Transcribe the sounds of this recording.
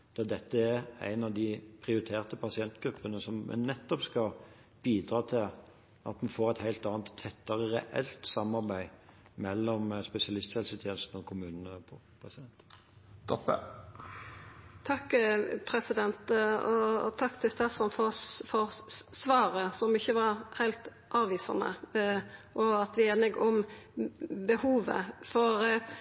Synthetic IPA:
d̪̥ɛd̪ɛt̪ːəæɾæ̰ɪnɑʋd̪ɪpʰɾɪʊɾɪt̪ʰeːʁt̪əpʰɑsɪɛnt̪ɡɾʉpʰːənəsɔmmɛ̰nnɛt̪ːɔpskɑ | b̥iːd̪ɾɑːt̪ʰɪl | ʔɑ̰t̪mɑnfoːʁæt̪hæɪlt̪ɑːnt̪ʰːɛt̪ːɑɾəɾɛʔɛ̰lt̪sɑmɑɾbæɪmɛlːɔmspɛsɪɑlɪst̪ʰjɛlsət̪ʰjeːnəst̪n̩ɔkʰʊmʉːnənəpʰɔ | pʰʁɛsɪd̪ɛnt̪ | t̪ʰɔpə̰ | t̪ʰɑkːpʰɾɛsɪd̪ɛnt̪ɔt̪ʰɑkːt̪ʰɪlst̪ɑːsɔnfɔfɔʁsʋɑːɾəsɔmɪçːəʋɑɾhæɪlt̪ | ʔɑːʋʋiːsɑ̰nə̰ | ʔɔɑt̪ʋɪeːnɪɡɔm | bəhuːʋə̰fɔɾ

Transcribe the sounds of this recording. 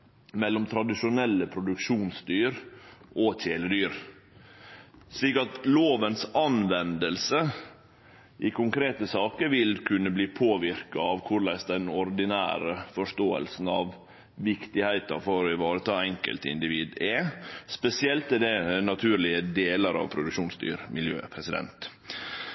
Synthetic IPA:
mɛlːɔmt̪ʰɾɑd̪ɪʂʊnɛlːəpʰɾʊd̪ʉkʂuːnsd̪yːɾʔɔtʰeːləd̪yːɾ | ʂɭiːkɑt̪loːʋənsɑnʋɛnd̪əlsə | ʔɪkʰʊŋkʰɾeːt̪əsɑːkəɾʋɪlkʰʉnːəbliːpʰoːʋɪɾkɑɑʋkʰʊɾɭæɪsd̪ɛnɔɾd̪ɪnæ̰ːɾəfɔʂt̪oːə̰lsn̩ɑʋ | ʋɪkt̪ɪhæɪt̪ɑ̰fɔɾɪʋɑːɾət̪ʰɑːɛŋkə̰lt̪ɪ̰nd̪ɪʋiːd̪ɛspɛsɪɛlt̪ɛd̪ɛnɑt̪ʰʉːɾlɪəd̪eːləɾɑ̰ʋpʰɾʊd̪ʉkʃuːnsd̪y̰ːɾmɪljø̰ːpʰɾɛsɪd̪ɛ̰nt̪

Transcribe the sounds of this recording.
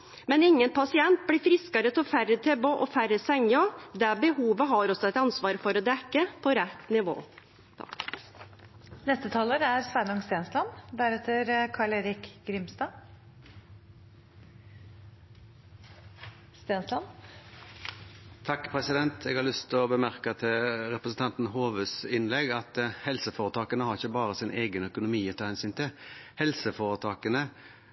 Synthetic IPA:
mɛnɪŋːənpʰɑsɪɛnt̪̚blɪːfɾɪskəɾət̪ʰɪfæɾət̪ʰɛboʔɔfæɾəsɛŋɔd̪ɛbəhuːʋəɦɑɾɔsːɔɛt̪ɑnsʋɑːɾfɔɾɔd̪ɛkːəpʰɔɾɛt̪ːnɪʋo̰ː | t̪ʰɑ̰k | nɛst̪ət̪ʰɑːləɾæɾsʋænɔŋst̪eːnslɑnd̪æɾɛt̪əɾkʰɑːɭeːɾɪkɡ̥ɾɪmst̪ɑː | st̪eːnslɑn | t̪ʰɑkːpʰʁɛsɪd̪ɛnt̪ʰeːɡhɑɾlʏst̪ʰɔbəmæʁkət̪ʰɪlɾɛpɾəsn̩t̪ɑnt̪n̩hoːʋøsɪnlɛɡɑt̪hɛlsəfoːʁət̪ʰɑːkənəhɑɾɪçəbɑːɾəsɪnʔeːɡənœkʊnʊmiːɔt̪ʰɑːhɛnsyːnt̪ʰɪlhɛlsəfoːʁət̪ʰɑːkənə

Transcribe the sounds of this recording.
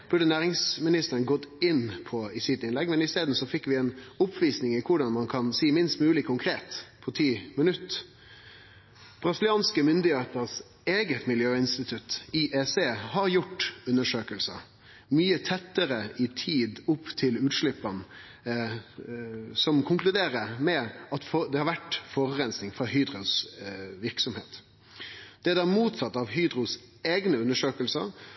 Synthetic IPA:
b̥ʉɖənæːʁɪŋsmɪnɪst̪əɾənɡɔt̪ːɪnːpʰɔɪsɪt̪ːɪnlɛɡmɛnɪst̪eːd̪n̩sɔfɪkːʋɪɛnʊpʰʋiːsnɪŋɪkʰʊɖɑnmɑnkʰɑnsiːmɪnst̪mʉːlɪkʰːʊŋkʰɾeːt̪pʰɔt̪ʰiːmənʉt̪ː | b̥ɾɑsɪlɪɑːnskəmʏnd̪ɪheːt̪əɾs | eːɡət̪mɪljøːɪnst̪ɪt̪ʰʉt̪iʔɛseːhɑɾjʊʈːʉnːəʂøːkəlsə̰ɾ | myːət̪ʰɛt̪ːəɾəʔɪt̪ʰiːd̪ʊpːt̪ʰɪlʉːt̪ʂlɪpːɑn | sɔmkʰʊŋklʉd̪eːɾəmɛɑt̪fd̪ɛhɑɾʋæʈːfɔːɾʁɛnsnɪŋfʁɑhyːd̪ɾʊsʋɪʁksɔmheːt̪ | d̪̥ɛd̪æːmuːt̪sɑt̪ːɑʋɦyːd̪ɾʊseːɡnəʉnːəʂøːkəlsə̰ɾ

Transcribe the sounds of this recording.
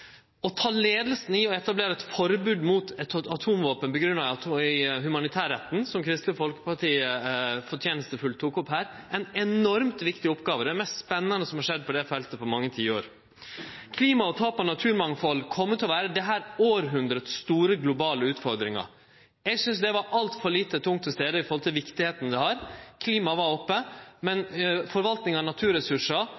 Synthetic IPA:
ɔt̪ʰɑːleːd̪lsn̩ɪɔɛt̪ɑbleːɾɑɛɪt̪fɔɾbʉːd̪muːt̪ʰɛt̪ɑt̪ʰuːmʋoːpənpɔɡɾʉnːɑ | ɦʉmɑnɪt̪ʰæːɾɛt̪ːn̩sɔmkʰɾɪst̪ləfɔlkə̥pɑʈiːəfɔʈʰjeːnəst̪əfʉlt̪ʰːuːkʊpɦæːɾ | ɛɪnɛnɔɾmt̪ʋɪkt̪ɪʊpɡɑːʋəd̪ɛmɛst̪spɛnːɑnəsɔmhɑʂɛd̪̚ːpʰɔd̪ɛfɛlt̪əpɔmɑŋːət̪ʰiːəoːɾ | kʰliːmɑɔt̪ʰɑːpɔnɑt̪ʰʉːɾmɑŋfɔlːkʰɔmːət̪ʰɛlɔʋæːɾəd̪ɛɦæːɾoːɾɦʉnd̪ɾət̪sst̪uːɾəɡlʊbɑːləʉːt̪fɔɾd̪ɾɪŋɑ̰ | ɛɡsʏnsd̪ɛʋɑɾʔɑlt̪fɔɾɭiːt̪ət̪ʰʊŋt̪ʰːɪlst̪eːd̪əɪfɔɾhɔlt̪ʰɪlʋɪkt̪ɪheːt̪n̩d̪ɛhɑɾkʰliːmɑʋɑɾɔpːəmɛnfɔɾʋɑlt̪nɪŋɑnɑt̪ʰʉːɾɛsʉʂɑ

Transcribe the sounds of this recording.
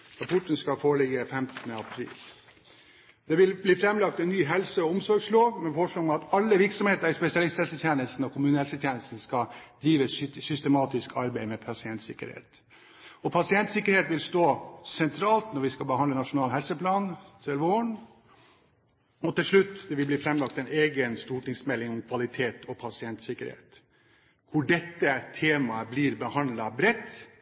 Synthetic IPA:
ɾɑpʰɔʈn̩skɑfɔɭɪɡəfɛmt̪ənəɑpʰɾḭːl | d̪ɛʋɪlbliːfɾɛmlɑkt̪ɛnːyːɦɛlsəɔʊmsɔɾɡsloːɡmɛfɔʂɭɑɡɑt̪ɑlːəʋɪɾksɔmheːt̪əɾɪspɛsɪɑlɪst̪hɛlsət̪ʰjeːnəlst̪n̩ɔkʰʊmʉːnəhɛlsət̪ʰjeːnəlst̪n̩skɑd̪̥ɾiːʋəssʏst̪əmɑːt̪ɪskʰɑɾbæɪmɛpʰɑsɪɛnt̪sɪ̰kə̰ɾhḛːt̪ | ɔpʰɑsɪɛnt̪sɪkːəɾheːt̪ʋɪlst̪oːsɛnt̪ʰɾɑːlt̪nɔɾʋɪskɑbəhɑnd̪ənɑʂʊnɑːlɦɛlsəpʰlɑːnt̪ʰɪlʋoːɳ | ɔt̪ɪlʂɭʉt̪ːd̪ɛʋɪlbliːfɾɛmlɑk̚t̪ɛneːɡənst̪uːʈɪŋsmɛlːɪŋɔmkʰʋɑlɪt̪ʰeːt̪ʰɔpʰɑsɪɛnt̪sɪkəɾhḛːt̪ | kʰʊɖɛt̪ːət̪ʰeːmɑəblɪɾbəhɑnd̪lɑbɾɛt̪ː

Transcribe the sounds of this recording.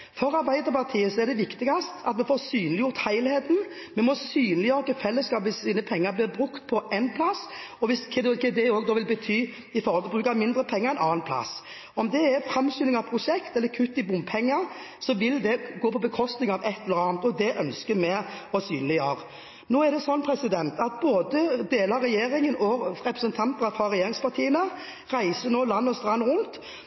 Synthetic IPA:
fɔɾɑɾbæɪd̪əpɑʁt̪ʰiːəsɔɛʁd̪ɛʋɪkt̪ɪɡɑst̪ʰɑt̪mɛfɔɾsyːnlɪjʊʁt̪hæɪlheːt̪n̩ | mɛmɔsyːnlɪjøːɾkəfɛlːəskɑːpʋɪssiːnəpʰɛŋːɑɾblɪɾbɾʉkt̪pʰɔʔɛnpʰlɑs | ɔʋɪskʰd̪kɛd̪ɛoːɡd̪oːʋɪlbət̪ʰyː | ɪfɔɾhɔlɔbʁʉːkɑmɪnd̪ɾəpʰɛŋːəɾɛɪnɑːnpʰlɑ̰s | ɔmd̪ɛːfɾɑmsyːnɪŋɑʋpʰɾʊʃɛkt̪ɛlːəkʰʉt̪ːɪbʊmpʰɛŋːəʁsɔʋɪld̪ɛɡoːpʰɔbəkʰɔst̪nɪŋɑʋɛt̪ːɛləɾəɑːnt̪ɔd̪ɛʔœnskəmɛɔsyːnlɪjøːɾə | noːæd̪ɛsɔnːpʰɾɛsɪd̪ɛnt̪ɑt̪̚boːd̪əd̪eːlɑɾːɛjeːɾɪŋənɔɾɛpɾəsənt̪ʰɑnt̪nəfɑɾɛjeːɾɪŋspʰɑɾt̪ʰiːənə | ʁæɪsənoːlɑnːɔst̪ɾɑnʁʊnt̪

